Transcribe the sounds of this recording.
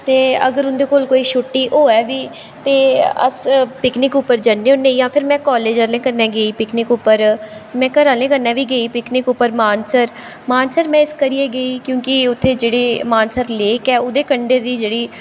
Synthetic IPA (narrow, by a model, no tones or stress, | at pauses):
t̪eːə̰ɡəɾʊnd̪eːkoːlkoːiːʃʊʈːiːʔoːɛːʋiː | t̪eːə̰spɪknɪkʊpːəɾd͡ʒanːeõːneijãːpʰɪɾmɛ̃ːkɔːleːd͡ʒəɾlẽːkəɾnɛ̃ːɡeːiːpɪknɪkʊpːəɾmɛ̃ːkəɾaːlẽːkəɾnɛːʋiːɡeiːpɪknɪkʊpːəɾmaːnsəɾ | maːnsəɾmɛ̃ːɪskəɾieːɡəiːkjõːkɪʊt̪ʰːeːd͡ʒeːɽeːmaːnsəɾleːkɛːʊd̪eːkəɳɖeːd̪iːd͡ʒeːɽiː